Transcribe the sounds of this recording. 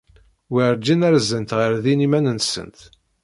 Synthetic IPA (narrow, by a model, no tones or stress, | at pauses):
wiɾd͡ʒːinæɾzənt̪ʁəɾðinimænənsə̰nt̪